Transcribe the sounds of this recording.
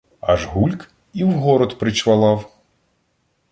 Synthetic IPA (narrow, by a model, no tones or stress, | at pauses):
a̰ʐɣulʲk | iwɣɔɾɔt̪pɾɨt͡ʃvalˠaw